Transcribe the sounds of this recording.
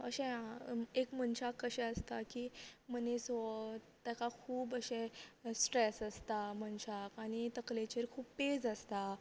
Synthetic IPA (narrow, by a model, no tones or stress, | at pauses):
ə̰ɕɛ̃ekmənɕakːəɕɛ̃əst̪akiːmənesɔ | t̪jakakʰuːbəɕɛ̃sʈɾesəst̪amənɕakaɽ̃it̪əklet͡ɕeɾkʰuːpped͡zəst̪a